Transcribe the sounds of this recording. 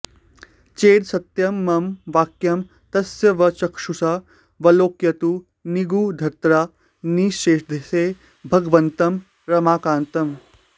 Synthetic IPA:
t͡ʃeːd̪sɐt̪jɐmːɐmʋaːkjɐm | t̪ɐsjɐʋɐt͡ʃɐkʂusa | ʋɐloːkjɐt̪u | niɡuːd̪ʱɐɾt̪ɾaː | niːʃeːʃd̪ʱeseː | bʱɐɡʋɐnt̪ɐm | ɾɐmaːkaːnt̪ɐm

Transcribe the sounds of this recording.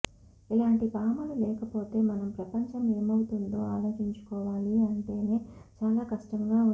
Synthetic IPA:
ilaːɳʈipaːmɐlulɛːkɐpo̞ːt̪e̞ːmɐnɐmpɾɐpɐɲt͡ʃɐme̞ːmɐwut̪und̪o̞ːaːlo̞ːt͡ʃiɲt͡ʃu̥kɔːʋaːliɐɳʈe̞ːne̞ː | t͡ʃaːlaːkɐʂʈɐŋɡaːu

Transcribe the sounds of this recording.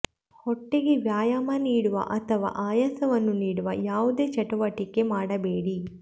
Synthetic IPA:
hɔʈːeɡeʋjaːjaːmɐniːɽuʋɐ̰ʔɐt̪ʰɐʋa̰ːʔaːjɐsɐʋɐnːuniːɽuʋɐjaːʋud̪e̞ːt͡ʃɐʈuʋɐʈikːe̞maːɽɐbeːɽi

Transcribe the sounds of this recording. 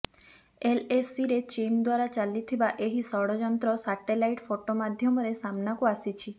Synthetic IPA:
elesiɾet͡ʃind̪waɾat͡ʃalit̪ʰibaʔeɦisɔɽɔd͡ʒɔnt̪ɾɔsaʈelajʈfoʈomad̪ʱjɔmɔɾesamnakuasit͡ʃʰi

